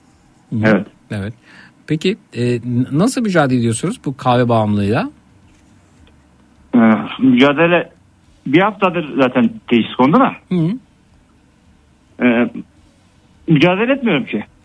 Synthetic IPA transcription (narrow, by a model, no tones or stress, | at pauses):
h̩evɛt̪ | evɛt̪̚pʰeciɛːnasɯlˠmyd͡ʒaːd̪eed̪ijosunuzbukʰaːvɛbaamlˠɯjd̪ˠa | ɛːmyd͡ʒaːd̪elʲɛ | bihaft̪ʰad̪ɯɾzaːt̪ʰænt̪ʰejiʃi̥skʰond̪uma̰hɯ̃ | ɛː | myd͡ʒaːd̪elʲeɛɛt̪mijo̞ɾumcʰɪ